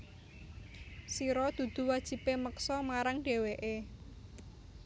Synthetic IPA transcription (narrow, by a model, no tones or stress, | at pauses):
siɾɔd̪̥ṳd̪̥ṳwad̥ʒ̥i̤peməksɔmaɾaŋɖ̥e̤weʔe